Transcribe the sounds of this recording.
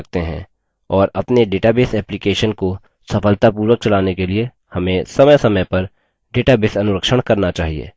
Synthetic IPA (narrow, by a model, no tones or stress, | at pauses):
ɡ̚t̪eɦɛ̰̃ː | ɔːɾɐpneɖeːʈabeːsɛːplikeːʃənko | sɐfəlt̪apuːɾwək̚t͡ʃɐlaːnekelie | hɐmẽsɐməjsɐməjpɐɾ | ɖeːʈabeːsɐnʊɾəkʃəɽ̃kɐɾnat͡ʃaːɦiḛː